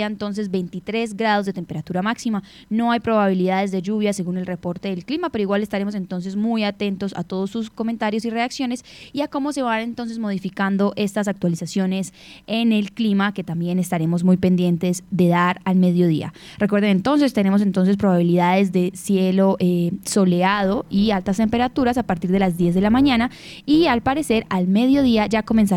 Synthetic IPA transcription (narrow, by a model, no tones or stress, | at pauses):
aent̪o̞ns̬e̞zbe̞jnt̪it̪ɾe̞z̬ɡɾað̞ozd̪et̪e̞mpeɾat̪uɾamaksima | no̞ajpɾo̞βaβ̞iliðaðe̞zðe̞ʝuβjase̞ɣunelre̞po̞ɾt̪e̞ðelklimapeɾoiɣwale̞st̪aɾe̞mo̞s̬e̞nt̪o̞ns̬e̞zmujat̪e̞nt̪o̞sa̰t̪o̞ð̞osːusko̞mẽnt̪aɾjo̞sire̞aksjo̞ne̞siako̞mo̞se̞βane̞nt̪o̞ns̬e̞zmo̞ð̞ifikand̪o̞ʔe̞st̪as̬ak̚t̪walisasjo̞ne̞s | ene̞lklimake̞t̪ambje̞ne̞st̪aɾe̞mo̞zmujpe̞nd̪je̞nt̪e̞zd̪e̞ðaɾalme̞ðjo̞ð̞ia̰ | rekwe̞ɾðenent̪o̞ns̬e̞st̪e̞ne̞mos̬e̞nt̪o̞ns̬e̞s̬pɾoβaβ̞iliðaðe̞zd̪e̞sje̞lo̞ʔeso̞le̞að̞o̞ialt̪ast̪e̞mpe̞ɾat̪uɾasapaɾt̪iɾðe̞lazd̪je̞zðe̞lamãɲãna | ialpaɾese̞ɾalme̞ðjo̞ðiad͡ʒako̞me̞ns̬a